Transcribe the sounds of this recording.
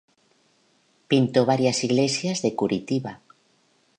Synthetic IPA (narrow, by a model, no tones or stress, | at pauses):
pint̪oβ̞aɾjasiɣlesjazðekuɾʔit̪iβa